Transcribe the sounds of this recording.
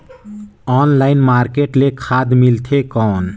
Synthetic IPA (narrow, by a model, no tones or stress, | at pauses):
ɔːnlaɪnmaɾkeʈlekʰad̪milt̪ʰekɔːn